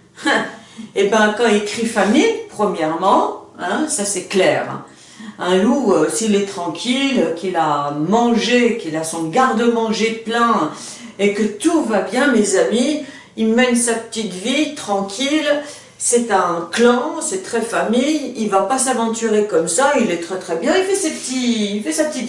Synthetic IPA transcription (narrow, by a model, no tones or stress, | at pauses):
ebɛ̃kɑ̃ilkχifamijpχəmjɛʁmɑ̃ɛ̃sasɛklɛːʁ | ɛ̃luøsilɛt̪χɑ̃kʲilkʲilamɑ̃ʒekʲilasɔ̃ɡaʁd̪əmɑ̃ʒeplɛ̃ | ekət̪uvabjɛ̃mezami | ilmɛnsapə̥t̪it̪vit̪χɑ̃kʲʰil | sɛt̪ɛ̃klɑ̃sɛt̪χɛfamijilvapasavɑ̃t̪yʁekɔmsailɛt̪χɛt̪χɛbjɛ̃ilfɛsepət̪iilfɛsapət̪it̪